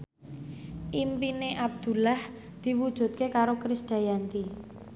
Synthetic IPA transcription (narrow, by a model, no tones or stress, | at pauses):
ʔimpineʔab̚d̪̥ṳlah | d̪̥i̤wud̥ʒ̥ṳt̪̚kekaɾokɾisd̪̥a̤jant̪i